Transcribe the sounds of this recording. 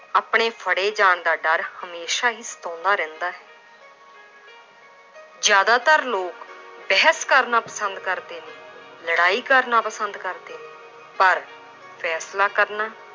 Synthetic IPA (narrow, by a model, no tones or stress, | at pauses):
aːpɳeːpʰəɽeːd͡ʒaːɳd̪aːɖəɾhəmeːʃaːɦiːsə̥t̪ɔ̃ːnd̪aːɾɛ̃ːnd̪aːɦɛː | d͡ʒjaːd̪aːt̪əɾloːkbɛːɦəskəɾnaːpəsənd̪̚kəɾd̪eːneːləɽaːiːkəɾnaːpəsənd̪kəɾd̪eːneː | pəɾ | pʰɛːslaːkəɾnaː